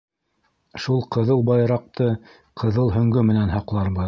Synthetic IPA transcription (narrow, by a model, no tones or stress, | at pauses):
ʃulˠqɤ̆ðɤlˠbɑjɾɑq̚t̪ɤ | qʰɤ̆ðɤlˠɦɵ̆ŋɡɵmɘ̆nænɦɑqlˠɑɾbɤ